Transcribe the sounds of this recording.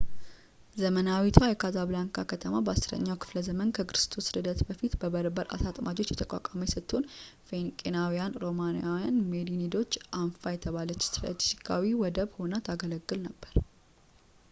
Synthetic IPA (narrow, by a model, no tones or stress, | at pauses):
zəmənawit̪ʰajɛkʰazaβlaŋkʰakʰət̪ʰəmabəasɾə̰ɲːawkʰɨ̥fləzəmənkʰəkɨɾɨst̪ʰosɾɨd̪ət̪bəfit̪bəbəɾbəɾa̰sat̪ʼmʔad͡ʒo̞t͡ʃːjɛt̪ʰəkʼa̰kʼaməjɛsət̪ʰːun | fe̞nkʼenawijanɾo̞manjawjanmed̪inid̪o̞t͡ʃːʔanfajɛt̪ʰəβalət͡ʃːsɨɾə̰t͡ʃ̪ːsi̥kʰːa̰wiwɔd̪əβhonət̪ʰaɡələɡːɨlnəbːəɾ